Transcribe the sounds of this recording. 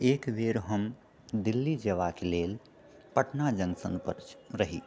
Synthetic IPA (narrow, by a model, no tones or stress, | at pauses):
ekbeɾɦəm | d̪ilːid͡ʒeʋakelel | pəʈnad͡ʒə̃ŋɡsə̰npə̰ɾɾəɦi